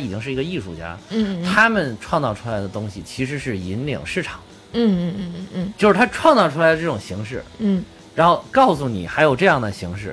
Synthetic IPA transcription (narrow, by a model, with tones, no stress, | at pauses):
i˨˩t͡ɕi˥ŋʂɻ̩˥˩i˧˥ɡə˧i˥˩ʂu˥˩t͡ɕja̰˥˩t̪ʰa˥mə˨nʈ͡ʂʰwɑ˥˧ŋt͡sɑ˥˧ʊʈ͡ʂʰu˥la˧˥ɪd̪ə˧t̪ʊ˥ŋɕi˨˩t͡ɕʰi˧˥ʂ̬ɻ̩˧˥ʂɻ̩˥˩i˧˥nlḭ˨˩˦ŋʂɻ̩˥˩ʈ͡ʂʰɑ˨˩˦ŋ̩˥˩˥ | t͡ɕjo˥˧ʊʂɻ̩ʰ˥˩a˥ʈ͡ʂʰwɑ˥˧ŋt͡sɑ˥˩ʊʈ͡ʂʰu˥la˧˥ɪd̪ə˧ʈ͡ʂɤ˥˩ʈ͡ʂʊ˨˩ŋɕi˧˥ŋʂɻ̩˥˩˥ | ɻa˧˥nxo˥˧ʊkɑ˥˩ʊsu˧˩nḭ˨˩xa˧˥ɪjo˨˩ʊʈ͡ʂɤ˥˧jɑ˥˩ŋd̪ə˩ɕi˧˥ŋʂɻ̩˥˩